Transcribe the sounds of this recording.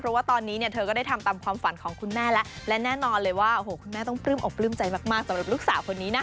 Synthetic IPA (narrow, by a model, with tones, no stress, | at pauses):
pʰɾɔ˦˥waː˥˩t̪ɔː˧nːiː˦˥ni˥˩t̪ʰɤː˧kɔ˥˩da˥˩jt̪ʰmt̪aː˧mkʰwaː˧mfa˩˦nkʰɔː˩˦ŋkʰu˧nmɛː˥˩lɛ˦˥ʔlɛ˦˥nɛː˥˩nɔː˧nlɤː˧jwaː˥˩ʔo˧˩hoː˨˩kʰu˧nmɛː˥˩t̪ɔ˥˩ŋpɾɯː˥˩mʔo˨˩k̚plɯː˥˩mt͡ɕa˧jmaː˥˩k̚maː˥˩k̚sa˨˦mɾa˨˩p̚lu˦˥k̚saː˨˩˦wkʰo˧nːiː˦˥na˦˥